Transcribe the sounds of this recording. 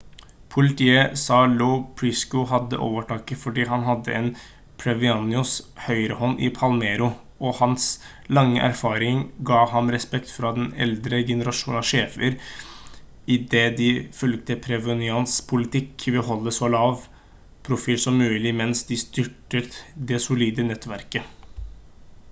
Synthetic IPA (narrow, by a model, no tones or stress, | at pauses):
pʰʊlɪt̪ʰiːəsɑːlɔʊpʰɾɪskʊɦɑd̪ːə̰ʔo̰ːʋəʈʰɑːkəfɔɖiːɦɑnɦɑd̪ːə̰ʔɛn | pʰɾɛʋɪɑnɪʊshœʏɾəhɔnːʔɪpʰɑlmeːɾʊ | ɔhɑns | lɑŋːəʔæ̰ɾfɑːɾɪŋɡɑːhɑmɾɛspɛkt̪fɾɑd̪ɛnɛ̰ld̪ɾəɡɛnəɾɑʂuːnɑʂeːfəɾ | ɪd̪eːd̪ɪfʉlɡ̚t̪əpʰɾɛʋɔnɪɑnspʰʊlɪt̪ʰɪkʋɛɦɔlːəsɔlɑːʋ | pʰɾʊfiːlsɔmːʉːlɪmɛnsd̪ɪst̪ʏʈət̪d̪ɛsʊliːd̪ənɛt̪ːʋæɾkə